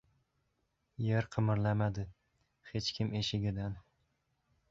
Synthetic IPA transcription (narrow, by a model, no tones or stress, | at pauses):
jeɾqʰɨmɪɾlamad̪ɪ | het͡ʃkʲʰɪmeʃɪɡʲɪd̪an